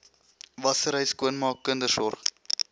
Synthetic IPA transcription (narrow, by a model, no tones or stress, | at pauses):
vɐsəɾɦəjskuənmɑːkːəndərsɔrχ